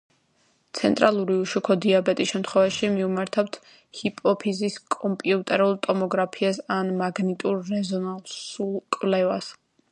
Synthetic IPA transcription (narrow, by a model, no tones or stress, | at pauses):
t̪sʰɛ̰nt̪ʼɾʔalˠuɾiuʃukʰɔd̪iabɛt̪ʼisʃɛmt̪ʰχwɛvaʃimiumaɾt̪ʰawt̪ʰ | hipʼɔpʰiziskʼɔmpʼiut̪ʼɛɾulˠt̪ʼɔmɔɡɾapʰiasanmaɡnit̪ʼuɾːɛzɔnalˠsulˠkʼwvlɛva̰s